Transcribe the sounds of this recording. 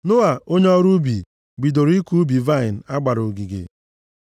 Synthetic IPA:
nʊ˦a˨o˦ɲe˦ɔ˦ɾu˦bi˨ | ɡ͡bi˨do˨ɾi˦ku˦bi˨va˦˨ɪ˨n̩˨a˦ɡ͡ba˨ɾo˨ɡi˨ɡḛ˨

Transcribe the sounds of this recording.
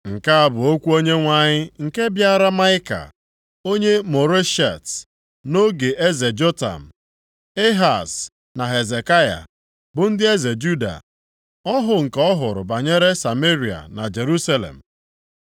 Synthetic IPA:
ŋ̩˨ka˦a˨bʊ˨o˦kʷu˦o˦ɲe˦ŋʷa˨ɲɪ˦ŋ̩˨ke˦bja˦ɾa˦ma˦ɪ˦ka̰˨ | o˦ɲe˦mo˨ɾe˦ʃa̰˨t | no˦ɡe˨ʔe˦ze˨d͡ʒo˦ta̰˨m̩˨ | e˦ɦa˨s | na˨ɦe˨ze˨ka˦ja̰˨ | bʊ˨n̩˦dɪ˦e˦ze˨d͡ʒu˦da̰˨ | ɔ˦ɦʊ˨ŋ̩˨kɔ˦ɦʊ˨ɾʊ̰˨ba˨ɲe˦ɾe˦sa˨me˦ɾi˨a̰˨na˨d͡ʒe˨ɾu˦sa˦lḛ˨m̩˨

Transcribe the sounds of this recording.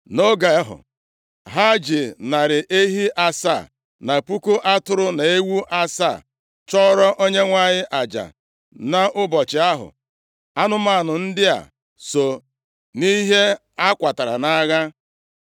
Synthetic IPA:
no˦ɡa˨˦ɦʊ̰˨ | ɦa˦d͡ʒɪ˨na˨ɾɪ˨ʔe˦ɦi˦ʔa˦sa̰˦˨ | na˨pu˦ku˦ʔa˦tʊ˦ɾʊ˦na˨e˦wu˦ʔa˦sa˦˨ | t͡ʃɔ˦ɾɔ˦ʔo˦ɲe˦ŋʷa˦˨ɲɪ˦ʔa˨d͡ʒa̰˨ | na˨ʔʊ˦bɔ˨t͡ʃɪ˨a˦ɦʊ̰˨ | a˦nʊ˦ma˦˨nʊ˨n̩˦dɪ˦a̰˨ | so˨ | ni˦ɦe˦ | a˦kʷa˨ta˨ɾa̰˨na˦ɣa˦

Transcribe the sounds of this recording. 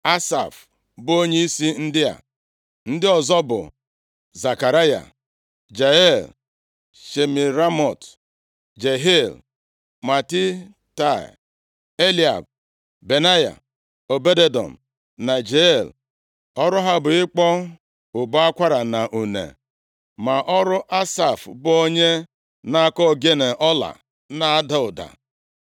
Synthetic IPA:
a˦sa̰˨f | bo˦ɲe˦i˦si˦n̩˦dɪ˦a̰˨ | n̩˦dɪ˦ɔ˨zɔ˦bʊ̰˨ | za˨ka˨ɾa˦ja̰˨ | d͡ʒa˨e˦˨l | ʃe˨mi˨ɾa˦mɔ˨t | d͡ʒe˨ɦe˦l | ma˨ti˦ | ta̰˦˨ | e˦li˦˨a̰˨b̚ | be˨na˦ja̰˨ | o˨be˦de˦dɔ̰˨m̩˨ | na˨d͡ʒe˨l | ɔ˦ɾʊ˦ɦa˦bʊ˨ɪ˦k͡pɔ˦ | ʊ˨bʊ˦a˦kʷa˦ɾa˨na˨ʔu˨nḛ˨ | ma˨ʔɔ˦ɾʊ˦ʔa˦sa˨fbʊ˦o˦ɲe˦ | na˦a˨kɔ˦˨ɡe˦ne˨ʔɔ˦la̰˨ | na˨a˦dɔ˦ʊ˨da̰˨

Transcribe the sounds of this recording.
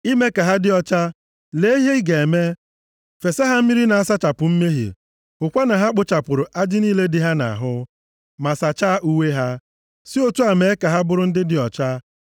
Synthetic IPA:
i˦me˦ka˨ɦa˦dɪ˦ɔ˦t͡ʃa˦ | le˦i˦ɦe˦ɡe˨e˨me˦ | fe˨se˦ɦa˦m̩˦mi˦ɾi˦na˨a˦sa˦t͡ʃa˨pʊ˨m̩˦me˦ɦḭ˨ | hʊ˨kʷa˦na˨ɦa˦k͡pʊ˦t͡ʃa˨pʊ˨ɾʊ˨ʔa˦d͡ʒɪ˦niː˦le˦dɪ˨ɦa˦na̰˨ɦʊ˦ | ma˨sa˨t͡ʃa˦ʔu˦we˦ɦa˦ | sɪ˦o˦tu˦a˨me˨e˦ka˨ɦa˦bʊ˦ɾʊ˦n̩˦dɪ˦dɪ˨ɔ˨t͡ʃa˦

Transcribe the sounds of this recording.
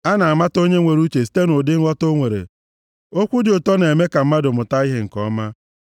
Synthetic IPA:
a˦na˨a˨ma˦to˦ɲe˦ŋʷe˨ɾu˦t͡ʃe˨si̥˦te˦nʊ˨dɪ˦ŋ̩ʷ˦ɔ˦to˦ŋʷe˨ɾḛ˨ | o˦kʷu˦dɪ˨ʊ˨tɔ˦ne˨me˦ka˨m̩˦ma˦dʊ˨mʊ˨ta˦i˦ɦe˨ŋ̩˨kɔ˦ma˦

